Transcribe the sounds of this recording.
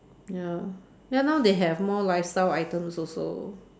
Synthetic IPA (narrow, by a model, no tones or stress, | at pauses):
ja | janawdeɦɛvmɔlaɪstajaɪtə̃msɔso̰